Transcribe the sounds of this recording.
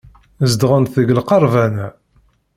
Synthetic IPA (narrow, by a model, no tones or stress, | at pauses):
zd̪ʁənθəɡlqɑɾˤvænæ